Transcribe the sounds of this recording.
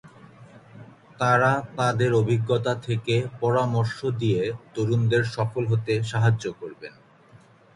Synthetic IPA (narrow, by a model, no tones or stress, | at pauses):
t̪aɾat̪ad̪eɾobʱiɡːot̪at̪ʰekepɔɾamoɾʃod̪ijet̪oɾund̪eɾʃɔfolɦot̪eʃaɦad͡ʑokoɾben